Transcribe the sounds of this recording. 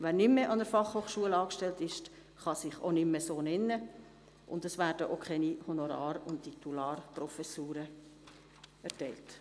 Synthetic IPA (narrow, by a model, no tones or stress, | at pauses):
ʋænɪmːeʔɑnəɾfɑχhoːχʃuəlɑːkʃtɛltɪʃ | χɑsɪχo̰nɪmːəsoːnɛnːə | ʔʊ̰ndəsʋæːɾd̥əʔokʰχɛnihonoɾɑ̰ːɾʊnttʰit̪ulɑːrprɔfɛsuːɾə | ɛɾtɛɪlt